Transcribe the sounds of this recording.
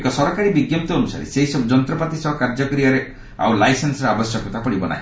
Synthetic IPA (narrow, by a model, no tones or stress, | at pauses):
kɔsɔɾɔkaɾibiɡjɔp̚t̪ɔːnusa̰ɾḛseisɔbd͡ʒɔnt̪ɾɔpat̪isɔbɔkaɾd͡ʒɔkɔɾiaɾe | a̰wlajsensɔɾeabɔsjɔkɔt̪ʰapɔɽibɔna̰ɦḭ̃